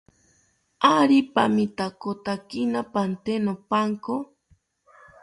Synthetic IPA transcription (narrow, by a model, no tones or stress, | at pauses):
aɾipamit̪akot̪akinapant̪enopaŋko